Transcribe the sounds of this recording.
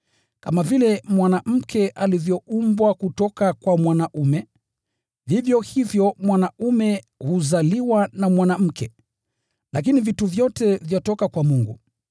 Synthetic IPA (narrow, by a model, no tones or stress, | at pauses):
kamavilɛmwanam̩kʰɛʔalivjɔumbwakutɔkakwamwanaʔumɛ | vivjɔhivjɔmwanaumɛ | huzaliwanamwanam̩kʰɛ | lak̬inivituvjɔtɛvjɔtɔkakwamuŋɡu